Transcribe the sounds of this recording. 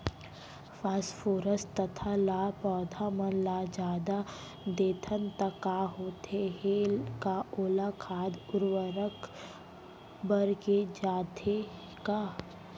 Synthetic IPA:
faːsfoːɾəst̪ət̪ʰalapɔːd̪ʱaməlad͡ʒaːd̪a | d̪eːt̪ʰənt̪əkːaɦoːt̪eɦeːlkaoːlakʰaːd̪ʊɾwəɾək | bəɾked͡ʒaːd̪ʱe | ka

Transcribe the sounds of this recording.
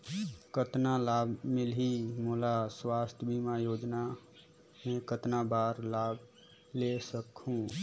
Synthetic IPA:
kət̪nalaːbʱmɪlɦimolaswaːst̪ʰjbʱimajoːd͡ʒna | mẽkət̪nabaːɾlaːb | lesəkɦũ

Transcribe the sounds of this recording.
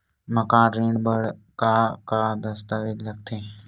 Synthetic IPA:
məkãːnɾẽːɳɖbəɽ | kakad̪əst̪aːʋed͡ʒləɡ̚t̪ʰẽː

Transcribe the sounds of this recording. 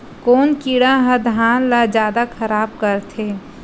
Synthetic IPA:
koːnkiːɽaɦəd̪ʱaːnlad͡ʒjaːd̪akʰɐɾaːb̚kəɾt̪ʰeː

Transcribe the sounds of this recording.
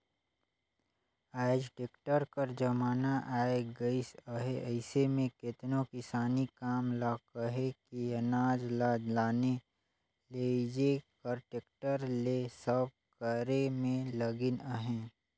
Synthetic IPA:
aːɪd͡ʒʈeːkʈəɾkəɾd͡ʒɐmaːnaʔaːeɡɐɪsəɦeəɪsemẽkɪt̪nõkɪsaːnikaːmlaːkəɦekijənaːd͡ʒlalaːne | led͡ʒekɐɾʈeːkʈəɾlesəb̚kəɾemẽlɐɡɪnəɦɛ̃ː

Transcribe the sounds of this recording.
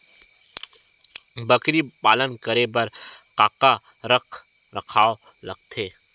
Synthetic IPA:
bəkɾipaːlənkəɾebəɾqaːqa | ɾəkʰ | ɾəkʰaːo | lɐɡ̚t̪ʰeː

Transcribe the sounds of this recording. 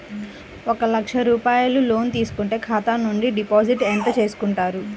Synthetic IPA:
ɔkɐlɐkʂɐɾuːpaːjɐlulo̞ːnt̪iːsu̥kuɳʈe̞ːkʰaːt̪aːnuɳɖiɖipoːd͡ʒiʈent̪ɐt͡ʃe̞ːsu̥kuɳʈaːɾu

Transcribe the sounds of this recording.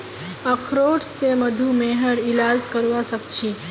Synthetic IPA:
ɐkʰɾoːʈsemɐd̪ʱumeːɦəɽilaːzkəɾuʋasɐb̚t͡ʃʰi

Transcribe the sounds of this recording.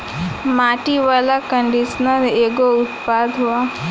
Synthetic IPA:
maːʈiʋaːlakə̃ɳɖisnəɾeːɡoʊt̪paːd̪ɦuaː

